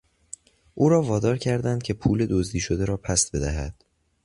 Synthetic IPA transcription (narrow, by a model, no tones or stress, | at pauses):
ʔuːɾɒːvɒːd̪ɒːɾcʰæɾd̪ænd̪̚cʰe̞pʰuːle̞d̪ozd̪iːʃo̞d̪eɾɒːpʰæst̪̚be̞d̪æɦæ̰d̪̥